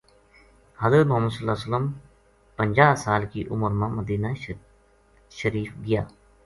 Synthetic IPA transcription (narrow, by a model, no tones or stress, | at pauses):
həzət̪mʊɦəmːəsəlːaːsələm | pəɲʲd͡ʒaːsaːlkiːʔʊməɾmãːməd̪iːnaː | ʃəɾiːfɡɪjaː